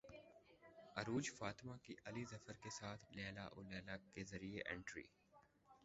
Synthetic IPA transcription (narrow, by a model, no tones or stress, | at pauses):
ɐɾuːd͡ʒfaːt̪ɪmakiʔɐlizɐfəɾkesaːt̪ʰlɛːla̰ʔʊlɛːlakezɐɾieʔɛ̰̃ːɳʈɾḭː